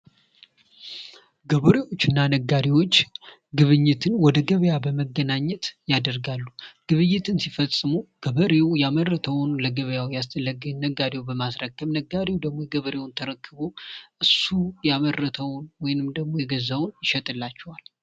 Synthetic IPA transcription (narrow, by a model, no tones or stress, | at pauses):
ɡəβəɾewo̞t͡ʃːɨnːanəɡaɾiwo̞t͡ʃː | ɡɨβɨɲːɪt̪ʰɨnwɔd̪əɡəβəjabəməɡənaɲːɛt̪jad̪əɾɡalːuɡ̥ɨβɨjːɪt̪ʰɨnsifəsʼɨmuɡ̥əβəɾewjamərːət̪ʰəwnləɡəβəjawjast̪ʰʼəlːəɡɨɲnəɡaɾewbəmasɾəkːəmnəɡaɾewd̪əɡmo̞ɡəβəɾe̞wʊnt̪ʰəɾəkʰːɨβoʔɨsːujamərːət̪ʰəwnwɔjɪnɨmd̪əɡmo̞jɛɡəzawnjɪʃɛt̪ʼɨlːat͡ʃːɛwal